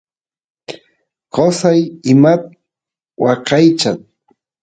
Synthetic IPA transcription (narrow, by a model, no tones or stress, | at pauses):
qosajɪmat̪ | wɑqɑjt͡ʃat̪